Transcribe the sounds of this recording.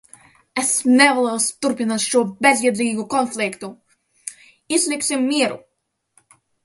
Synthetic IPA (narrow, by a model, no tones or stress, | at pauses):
ɛsnɛvalˠɛwst̪uɾpʲinat̪ʃuɔbʲɛzʲjiɛd̪ʲiːɡukɔnflʲikt̪u | izlʲiksʲimːiɛɾṵ